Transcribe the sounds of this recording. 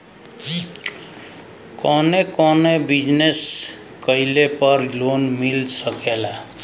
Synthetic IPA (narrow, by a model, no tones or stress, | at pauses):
i | kɔnekɔnebid͡ʒnes | kəilepʌɾlonmilsəkela